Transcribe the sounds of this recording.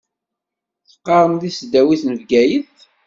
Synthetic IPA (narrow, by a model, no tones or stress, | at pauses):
θə̥qːɑɾˤəmðisd̪æwiθnəvɡæjəθ